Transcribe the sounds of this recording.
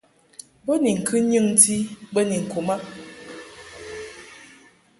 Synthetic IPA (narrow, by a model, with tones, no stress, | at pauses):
bə˦ni˨ŋ̩˨kʰɨ˦ɲɨ˦ŋ˦ti˦bə˦ni˨ŋ̩˨ku˨ma˦ʔ